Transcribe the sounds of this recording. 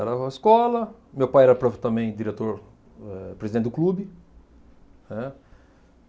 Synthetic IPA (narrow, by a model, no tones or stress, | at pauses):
ɛɾɐɪskɔlɐmewpajɛɾɐpɾɔt̪ɐ̃bẽj̃d͡ʒiɾet̪oɾ | ɛpɾezid̪ẽt̪d̪ʊklubɪ | nɛ